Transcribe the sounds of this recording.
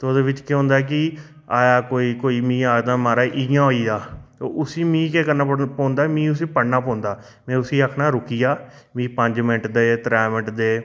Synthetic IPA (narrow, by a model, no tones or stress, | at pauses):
t̪oːd̪eːʋɪt͡ʃkeɦʊ̃ːnd̪aːɛːk̬ɪ | aːjaːkoːiːkoːiːmĩːaːd̪aːmaːɾaːʔɪjãːɦoːiːaːt̪o̰ːʔʊsiːmĩːkɛːkəɾnaːəpɔ̃ːnd̪aːmĩːʊs̬ĩːpəɽnaːpɔ̃ːnd̪aː | mɛ̃ːʊsiːəkʰnaːɾʊkiːaː | mĩːpə̃ɲd͡ʒmɪnɪʈd̪eːt̪ɾɛːmɪʈd̪eː